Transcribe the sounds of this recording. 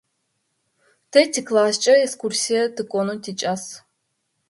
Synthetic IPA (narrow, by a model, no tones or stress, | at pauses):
t̪ʰetʰʲiklˠaːst͡ʃʼɐekskʰursʲijɐt̪ɨkʼonuntʰit͡ʃʼas